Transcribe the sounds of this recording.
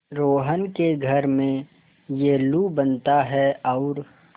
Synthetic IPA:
ɾoːɦənkeɡʱəɾmẽ | jelubənt̪aɦɛɔʊːɾ

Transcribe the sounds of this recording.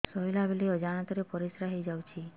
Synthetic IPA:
sɔilabeleɔd͡ʒañat̪ɔɾepɔɾisɾaɦejd͡ʒawt͡ʃʰi

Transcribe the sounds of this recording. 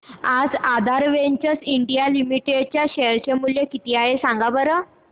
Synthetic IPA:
ad͡zad̪ʱaɾʋeɲt͡ɕəsiɳɖijalimiʈeɖt͡ɕjaɕeɾt͡ɕemuljekit̪iːaɦesãŋɡabəɾə

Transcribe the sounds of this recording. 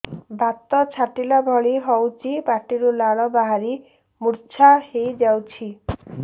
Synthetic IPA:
bʱat̪ɔt͡ʃʰaʈilɔbʱɔɭiɦɔwt͡ʃibaʈiɾulaɭɔbaɦaɾi | muɾt͡ʃʰahejd͡ʒawt͡ʃʰi

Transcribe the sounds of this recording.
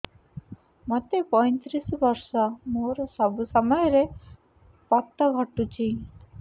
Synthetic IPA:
mɔt̪epɔjnt̪ɾisbɔɾsɔmoɾɔsɔbusɔmɔjɾe | pɔt̪ːəɡʱɔʈːut͡ʃʰi

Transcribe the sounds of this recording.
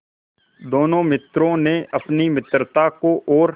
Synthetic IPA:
d̪oːnõːmɪt̪ɾõneəpnimɪt̪ɾt̪akoʔɔːɾ

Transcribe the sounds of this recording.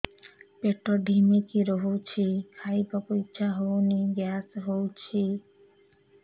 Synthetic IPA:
peʈɔɖʱimikiɾɔɦot͡ʃʰikʰajbɔkuiːʃʰaɦowniɡjasɦowt͡ʃʰi

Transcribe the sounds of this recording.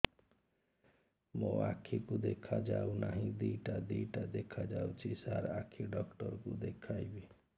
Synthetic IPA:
mõa̰kʰikud̪ekʰad͡ʒaunaɦĩd̪iʈad̪iʈad̪ekʰad͡ʒaut͡ʃʰisaɾakʰiɖɔkʈɔɾkud̪ekʰajbi

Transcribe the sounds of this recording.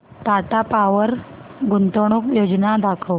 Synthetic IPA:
t̪aʈapaʋəɾɡunt̪əɳ̃ukjod͡ʑnad̪akʰəw

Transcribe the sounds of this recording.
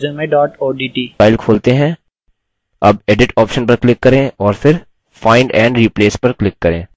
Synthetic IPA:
zə̃mẽɖɔːʈoːɖiːʈiːaːɪlkʰoːlt̪eɦɛ̃ | ɐbeːɖɪʈɔːpʃənpɐɾklɪkːɐɾẽɔːɾfɪɾ | faːɪɳɖɛ̃ːɳɖɾiːpleːspɐɾklɪkːɐɾḛ̃ː

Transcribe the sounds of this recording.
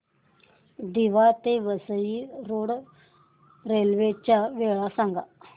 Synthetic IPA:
d̪iʋat̪eʋəsəiɾoːɽ | ɾeːlʋet͡ʃaʋeːɭasãŋɡa̰

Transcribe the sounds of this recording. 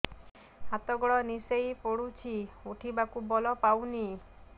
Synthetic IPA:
hat̪ɔɡɔɭɔnisejpɔɽut͡ʃʰiuʈʰibakubɔlɔpawni

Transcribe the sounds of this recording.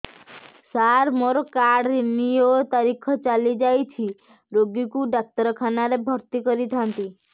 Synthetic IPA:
saɾmoɾɔkaɽɾinijot̪aɾikʰɔt͡ʃalid͡ʒajt͡ʃʰi | ɾoɡikuɖak̚t̪ɔɾɔkʰanaɾebʱɔɾt̪ikɔɾit̪ʰant̪i

